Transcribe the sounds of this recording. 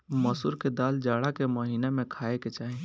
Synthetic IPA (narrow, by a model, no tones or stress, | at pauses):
mɐsʊɾked̪aːld͡ʒaːɽakeməɦiːnemẽkʰaːeket͡ʃaːɦẽ